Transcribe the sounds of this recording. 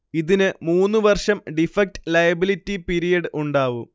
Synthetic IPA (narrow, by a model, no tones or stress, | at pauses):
iðinɨmuːnːɨʋɐrʂɐmɖifɐk̚tɨ̥lɐjɐbilitːipiɾijɐɽɨʔuɳɖaːʋum